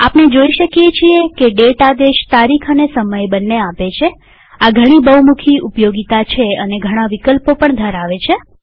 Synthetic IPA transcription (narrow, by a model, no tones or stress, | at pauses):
apned͡ʒoiʃəkjet͡ʃʰiekeɖeʈad̪eʃt̪aɾikʰənesəməjbənːeapet͡ʃʰe | aɡʱəɽ̃ibəwmukʰiʔupjoɡit̪at͡ʃʰeəneɡʱəɽ̃aʋikəlpopəɳd̪ʱəɾaʋet͡ʃʰe